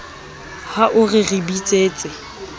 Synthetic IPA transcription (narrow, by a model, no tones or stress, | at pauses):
haʔʊrɪribit͡sʼeːt͡sʼɪ